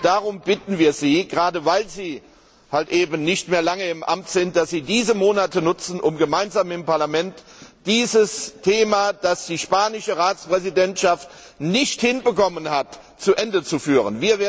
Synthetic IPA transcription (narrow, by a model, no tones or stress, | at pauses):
d̥aʁʊmbɪtn̩viːɐziːɡʁaːdəvaɪlziː | haltʔeːbn̩nɪçtmeːɐlaŋəɪmʔa̰mtz̥ɪnt̚d̥asz̥iːdiːzəmoːnatənʊt͡sn̩ʔʊmɡəmaɪnzaːmɪmpaɐlamɛntd̥iːzəstʰeːmad̥asd̥iːʃpaːnɪʃəʁaːt͡spʁ̥ɛzidɛntʃaft | nɪçthɪnbəkɔmənhat | t͡suʔɛndət͡sufyːʁə̰nviːɐveːɐ